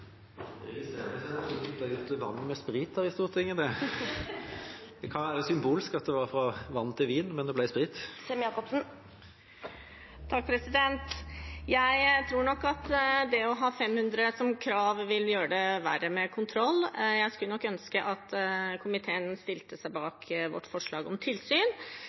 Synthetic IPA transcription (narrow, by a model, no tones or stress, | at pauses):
ɪsḛəsɛsɔlæʉːt̪ʋɑnːmɛspɾiːt̪əɾɪst̪uːʁt̪ʰɪŋːəd̪ɛ | d̪̥ɛkʰɑnʋæːɾəsʏmbuːlɪskɑt̪̚d̪ɛʋɑʁfɾɑʋɑnːt̪ʰɪlʋiːnmɛnd̪ɛblæɪspʁɪt̪ːsɛmjɑːkɔpsn̩ | t̪ʰɑk̚ːpʰɾɛsɪd̪ɛnt̪jæɪt̪ʰɾuːɾɳɔkːɑt̪d̪ɛɔɦɑːfɛmhʉnd̪ɾəsɔmkʰɾɑːʋʋɪljøːəɖ̪ɛʋæɾəmɛkʰʊnt̪ʰɾɔlːjæɪskʉlənɔkːœnskəʔɑt̪kʰʊmɪt̪ʰeːənst̪ɪlt̪əsæɪbɑːkʰʋɔ̰ʈːfɔʂɭɑːɡɔmt̪ʰɪlsyːn